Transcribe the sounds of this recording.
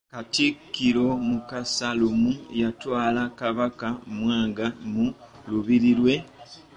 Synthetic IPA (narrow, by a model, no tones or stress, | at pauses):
katikːiɾo̞mukasalumujatwaːlakaβakamwaːŋɡamu | luβiɾilwe̞